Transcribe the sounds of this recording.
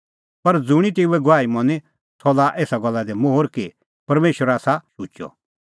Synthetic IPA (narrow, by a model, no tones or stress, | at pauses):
pɐɾd͡zʊɽ̃it̪euɛɡʊʋaːimɐne | t̪ʰɔːlaʔeːsaɡɐlːad̪ɛmoɦʊɾki | pɐɾmeːʃwəɾaːsaʃʊːt͡ʃɔ̰